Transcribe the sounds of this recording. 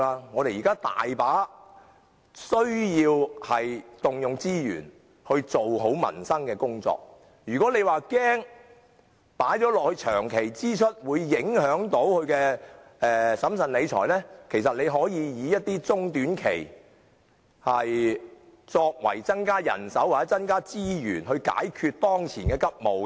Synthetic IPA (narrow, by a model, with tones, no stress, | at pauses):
aː˧ŋɔː˨˧ɾe˨jiː˨kaː˥t̪a̰ː˨jpaː˨˥ | sɵ˥ɥjiː˧whɐ˨jt̪ʊ˨ŋjʊ˨ŋt͡siː˥jy̰ː˨˩n | hɵ˧ɥt͡so˨wɦo˨˥wmɐ̰˨˩nsɐ˥ŋkɛː˧kʊ˥ŋt͡sɔ̰ː˨˧k̚ | jyː˨kɔː˨˥le˨˧jwaː˨kɛː˥ŋ | paː˨˥jt͡sɔː˨˥lɔː˨k̚hɵ˧ɥt͡ʃʰœ̰ː˨˩ŋkʰe˨˩jt͡siː˥t͡ʃʰɵ˥t̚wuː˨˧jːɪ˨˥ŋhœː˨˥ŋt̪o˨˥wkhɵ˨˧ɥkɛː˧ɛː˨sɐ˨˥msɐ˨nle˨˧jt͡ʃʰɔ̰ː˨˩jlɛː˥kʰe˨˩jsɐ˨t̚ne˨˧jɦɔː˨˥jiː˨˧jiː˨˧jɐ˥t̚t̪iː˥t͡sʊ˥ŋt̪yː˨˥nkʰḛ˨˩j | hɐ˨j | t͡sɔː˧k̚wɐ̰˨˩jt͡sɐ˥nkaː˥jɐ̰˨˩nsɐ˨˥waː˨t͡sɛ˨˥t͡sɐ˥nkaː˥t͡siː˥jyː˨˩nɦɵ˧ɥka̰ː˨˥jkʰyː˧t̚t̪ɔː˥ŋt͡sʰiː˨˩nkɛː˧kɐ˥p̚mo˨˧wkɛ˧